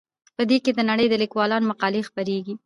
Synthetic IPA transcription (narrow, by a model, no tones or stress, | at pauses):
pəd̪eked̪ənaɽəjd̪əlikwɑlɑnomaqɑlexpaɾeɡi